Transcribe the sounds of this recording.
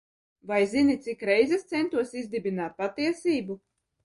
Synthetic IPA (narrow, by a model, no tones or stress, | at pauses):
vajzinʲit̪sikɾɛjzɛst̪sɛnt̪uɔsizd̪ibʲinaːt̪̚pat̪iɛsiːbu